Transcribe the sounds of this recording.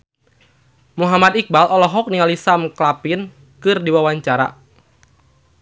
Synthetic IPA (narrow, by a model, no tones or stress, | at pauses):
muɦamad̪ik̚balʔɔlɔɦɔk̚nialisamklapin | kɨrdiwawaɲt͡ʃaɾa̰